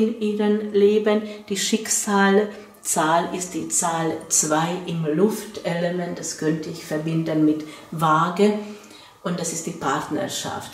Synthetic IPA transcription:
ɪnʔiːʁənleːbənd̥iːʃɪksaːl | t͡saːlɪst̚d̥iːt͡saːlt͡sv̥aɪʔɪmlʊftʔɛləmɛntd̥askʰœntəɪçfɛɐbɪndənmɪtvaːɡə | ʔʊnt̚d̥asɪstd̥iːpʰaɐtnə̰ɐʃa̰ft

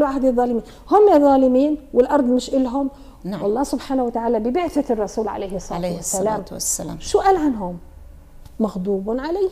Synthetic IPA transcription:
lʕahd̪ðˤːɑːlɪmiːn | hʊmːjaðˤɑːlɪmiːnwɪlʔɑɾˤd̪ˤmɪʃʔɪlɦʊm | ʔɑlˤːɑːsʊbħaːnawat̪aʕaːlabɪbɪʕθarˤːɑsuːlʕa̰leːhsˤɑːwasːalaːm̰ːʃʊʔalʕanɦʊmː | axd̪ˤuːbnʕalajh

